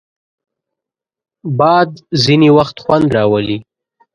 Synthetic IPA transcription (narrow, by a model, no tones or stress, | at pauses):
bɑd̪ziniwaxt̪xwand̪ɾɑwəli